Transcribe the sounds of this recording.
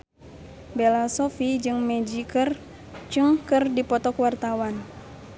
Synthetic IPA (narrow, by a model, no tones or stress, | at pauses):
belasɔfid͡ʒɨŋmɛd͡ʒikɨr | t͡ʃɨŋkɨrdipɔt̪ɔkwart̪awan